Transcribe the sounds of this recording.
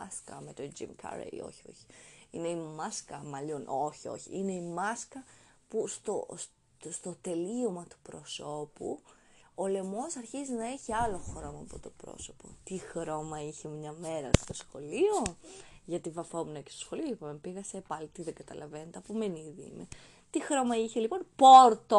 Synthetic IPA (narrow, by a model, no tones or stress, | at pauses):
askɐ̰met̪od͡ʒḭmkʰɐ̰ɾḛḭo̞̰çio̰çi̥ine̞imɐskɐmɐʎono̞çio̞̰çḭine̞imɐskɐ | pust̪o̰ | st̪o̞t̪e̞liomɐt̪u̥pɾo̞so̞pṵole̞mo̞sɐɾçizinɐeçiɐlo̞xɾo̞mɐːpo̞̰t̪o̞pɾo̰so̞̥po̞̰t̪ixɾo̞mɐiçe̞mɲɐme̞ɾɐ̰st̪o̞sxo̞lioʝɐt̪ivɐfo̞munɐcest̪osxo̞lioipɐmepiɣɐsepɐlit̪iðeɡɐt̪ɐ̰lɐvenet̪eɐpomeniðiḭme | t̪ixɾo̞mɐiçelipo̞npoɾt̪o